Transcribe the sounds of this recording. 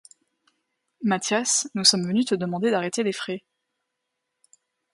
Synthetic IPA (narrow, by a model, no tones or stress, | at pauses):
mat̪jasnusɔmvənyt̪əd̪əmɑ̃d̪ed̪aʁet̪elefχɛ